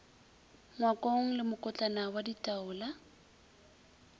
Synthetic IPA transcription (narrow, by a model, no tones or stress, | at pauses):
ŋwakʼoŋ̩lɪmʊkʼʊt͡ɬʼanawaditʼaʊːla